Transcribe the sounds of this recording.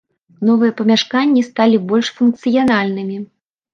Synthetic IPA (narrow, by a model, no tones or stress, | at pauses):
nɔvɨjɛpɐmʲaʂkanʲːist̪alʲibɔlʲʂfunk̚t̪sɨjanalʲnɨmʲi